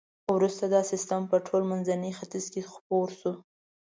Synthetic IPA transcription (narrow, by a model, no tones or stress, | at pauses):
wɾust̪ad̪ɑsɪst̪əmpəʈʰolmanzanəxat̪izkexpoɾsu